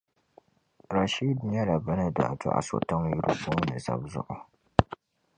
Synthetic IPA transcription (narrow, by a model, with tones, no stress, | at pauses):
ɾa˨ʃi˦dɲɛ˦la˨ba˦na˦da˨ʔtʊ̰˦ʔa̰˨so̰˨ta˦ŋ˦ju˦ɾṵ˦bo˦ŋ˦nɨ˨za̰˦bzʊ̰˦ʔʊ˨